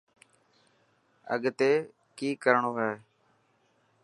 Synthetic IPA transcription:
ə̰ɠt̪eː | kiːkəɾɳoːɦɛː

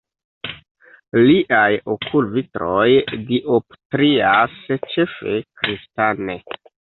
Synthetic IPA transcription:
liʔajokʰulvitɾo̞jdiʔoptɾiast͡ʃe̞fe̞̰kɾistane

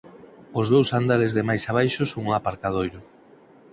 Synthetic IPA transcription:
ʊzðowsand̪aɾezðemajsaβ̞ajʃosoŋapaɾkað̞ojɾʊ

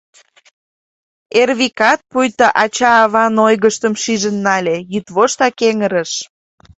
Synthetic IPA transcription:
erβikɑt̪̚pujt̪əʔɑt͡ɕɑːβɑnojɣəʃt̪əmʃiʒənːɑlʲejyt̪βoʃt̪ɑkeŋəɾə̆ʃ

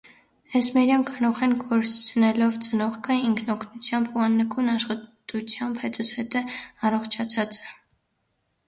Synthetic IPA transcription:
ɛsmɛɾjɑnkɑɾɔʁɛnɡɔɾt͡sʰənɛlɔvt͡sənɔʁkʰəiŋkʰnɔkʰnut͡sʰjɑmbuɑnːəkʰunɑʃχɑt̪ut͡sʰjɑmbhɛt̪ɔt͡sʰhɛt̪əɑrɔχt͡ʃʰɑt͡sʰɑt͡sɛ̥

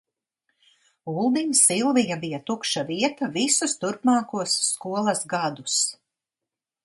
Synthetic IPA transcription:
ulˠd̪imsilˠvijabijat̪ukʃaviɛt̪avisust̪uɾpmɑːkuɔsːkuɔlˠɐsɡad̪us

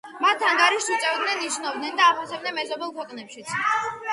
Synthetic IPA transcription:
mat̪ʰaŋɡaɾiʃsut̪sʼɛvd̪nɛniʃnɔvd̪nɛnd̪aːχwɔsɛb̚nɛnmɛzɔbɛlˠkʰwɛqʼnɛpʃit̪sʰ

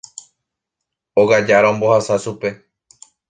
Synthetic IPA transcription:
oɣad͡ʒaɾaombo̞hasasupe

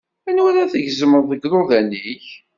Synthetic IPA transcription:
ænwæɾæθəʝzəməɾˤðəɡðˤoðænːiç

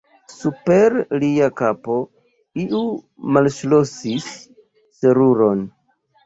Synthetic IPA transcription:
supe̞ɾliakapo̞ | iʔu | malʃlosisː | eɾuɾo̞n

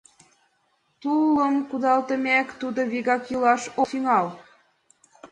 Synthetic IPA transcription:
t̪uləmkud̪ɑlt̪ə̆mækt̪ud̪oβiɣɑkjulɑʃot̪yŋɑl

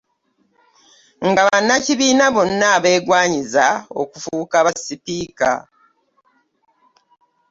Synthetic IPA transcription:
ŋɡaβanːaciβiːnaβo̞nːaːβe̞ːɡwaːɲizao̞̰kufukaβasipiːka̰

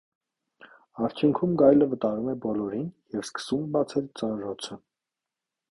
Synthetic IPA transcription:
ɑɾt͡ʃʰjuŋkʰumɡɑjləvət̪ɑɾumɛbɔlɔɾinjɛvskə̥sumɛbɑt͡sʰɛlt͡sɑnɾɔt͡sʰə

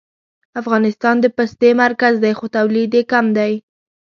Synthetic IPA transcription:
afɣɑnɪst̪ɑnd̪əpast̪emaɾkazd̪ajxot̪awlid̪ekamd̪aj

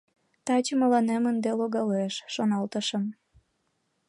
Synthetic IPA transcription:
t̪ɑt͡ɕəməlɑnemənd̪eloɣɑleʃːonɑlt̪əʃəm

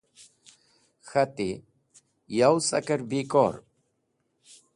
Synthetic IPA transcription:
xɐt̪i | jawsɐ̰kɐɾbiko̰ːɾ

